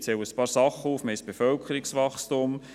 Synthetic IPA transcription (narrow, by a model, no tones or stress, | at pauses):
t͡sɛwəəspɑːɾsɑχːəufməɪsb̥efœlkʰəɾiksʋɑχstʊm